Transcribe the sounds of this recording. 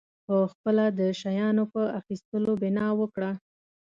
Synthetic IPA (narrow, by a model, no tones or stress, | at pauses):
pəxpəlad̪əʃajɑnopəaxist̪əlobɪnɑwəkɽa